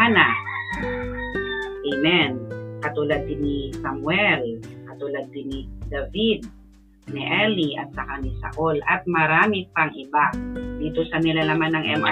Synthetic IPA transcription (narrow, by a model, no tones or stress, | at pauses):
ana | ʔemɛnkɐt̪uːlad̪̚ːɪnisɐmwɛlkɐt̪uːlad̪̚ːɪnɪd̪avid̪̚ | niʔɛliʔɐ̰t̪̚sɐkanisa̰ʔolʔɐt̪̚mɐɾaːmɪpaŋʔɪbad̪iːt̪osɐnɪlanɐmanɐŋʔɛmʔa̰